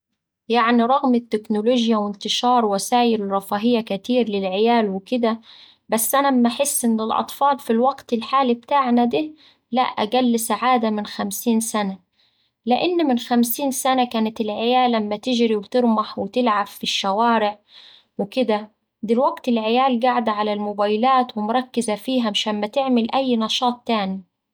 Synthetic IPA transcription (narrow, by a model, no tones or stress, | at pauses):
jaʕniɾˤɑɣmɪt̪ːɪknʊloːʒjawɪnt̪ɪʃɑːɾˤwasaːjɪlɾˤɑfaːɦɪjːakat̪iːɾlɪlʕɪjaːlwɪkɪd̪a | basːʔanamːaħɪsːʔɪnːɪlʔɑ̰t̪ˤfɑːlfilwaɡt̪ɪlħaːlib̚t̪aːʕnad̪iː | la̰ʔʔːa̰ɡalːsaʕaːd̪amɪnxamsiːnsana | lɪʔɪnːmɪnxamsiːnsanakaːnɪt̪ɪlʕɪjaːlamːæt̪ɪʒɾiwt̪ɨɾmaħwɪt̪ɪlʕabːiʃːawaːɾɪʕ | wɪkɪd̪a | d̪ɪlwaɡt̪ɪlʕɪjaːlɡaʕd̪ʕalalmʊbaːjlaːt̪wɪmʊɾˤɑkːɪzafiːɦæmʃaːnmat̪ɪʕmɪlʔæjːnɑʃɑːt̪ˤːaːni